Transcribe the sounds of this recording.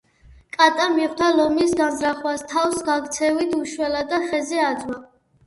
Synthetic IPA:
kʼat̪ʼamiχd̪ʰalɔmisɡazɾaχwast̪ʰafsɡaɡt̪sʰɛvit̪ʰuʃwɛlad̪aχɛzɛad̪zwa

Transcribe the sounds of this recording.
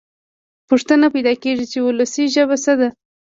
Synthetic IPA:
pʊʂt̪ənapajd̪ɑkeʐit͡ʃeʊlasiʒəβasəd̪a

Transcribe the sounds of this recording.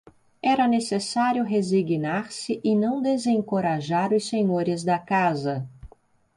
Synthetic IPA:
ɛɾɐnesesaɾjʊɦeziɡnaɾsɪʔɪnɐ̃w̃d̪ezẽŋkoɾaʒaɾʊsseɲoɾɪzd̪ɐkazɐ

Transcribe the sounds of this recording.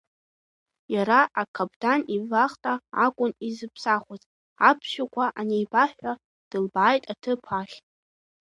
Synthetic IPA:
jaɾaʔakʰabdanivaχtʼaakʷʼʊnizɨpʰsaχʷazʼ | apʰʃʷᶣakʷʰʼaʔanejbaħʷᶣa | d̥ɨlbaːjtʼatʰɨpʰaχʲ

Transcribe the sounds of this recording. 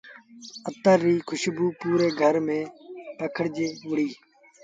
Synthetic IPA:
ət̪əɾːiːkʰʊʃbuːpuːɾeːɡʱəɾmẽːpəkʰəɽd͡ʒeːʋʊɽiː

